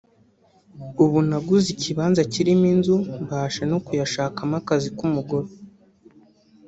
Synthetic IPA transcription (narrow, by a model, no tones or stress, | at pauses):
uβunaɡuziciβaːnzaciɾiminzumbaːʃeno̞kujaʃaːkamakazikumuɡoɾo